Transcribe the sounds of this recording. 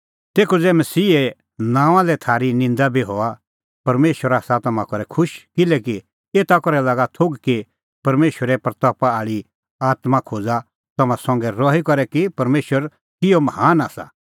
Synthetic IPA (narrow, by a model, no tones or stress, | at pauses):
t̪eːkʰud͡zɛmɐsiːɛ | nãːʋãlɛt̪ʰaːɾinɪ̃nd̪abʱiɦɔa | pɐɾmeːʃwəɾaːsat̪ɐmãkɔɾɛkʰʊʃkɪlɛːki | eːt̪akɔɾɛlaːɡat̪ʰoɡki | pɐɾmeːʃwəɾɛpɾɐt̪ɔːpaaːɭi | aːt̪mãkʰoːd͡za | t̪ɐmãsɔ̃ŋɡɛɾɔːɦikɔɾɛkipɐɾmeːʃwəɾ | kɪjɔmɐɦaːnaːsa̰